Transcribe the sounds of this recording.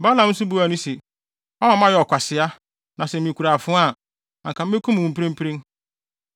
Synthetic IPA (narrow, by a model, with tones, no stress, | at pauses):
ba˦lã˨˦n̩˦sʊ˦bu˦æ˨nʊ̃˦sɛ˨ | ɔ˦ã˨˦mã˦jɛ˨ɔ˨kʷʰa˨sɪ˨a˦ | nã˨sɛ˨mĩ˨kʰu˨ɾaː˨fʊ̃˦a˦˨ | ã˨ŋkʰa˨m̩˦e˦kʰu˦m˨ũ˨m˨pʰẽ˦m˦pʰɾĩ˦n